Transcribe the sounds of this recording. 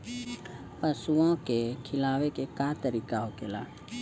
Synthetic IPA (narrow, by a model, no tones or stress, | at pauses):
pəsuõkekʰɪlaːʋekekaːt̪əɾiːkaɦokela̰ː